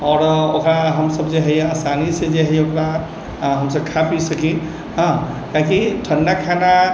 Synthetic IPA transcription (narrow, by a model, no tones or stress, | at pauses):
ɔɾokɾaɦəmsəbd͡ʒeɦəasanised͡ʒeɦəokɾa | ɦəmsəb̚kʰapisəki | ɦə̃ | kakiʈʰənɖakʰana